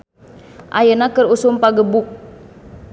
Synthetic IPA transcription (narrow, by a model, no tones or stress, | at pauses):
ʔa̰jənakərusumpaɡəbuk̚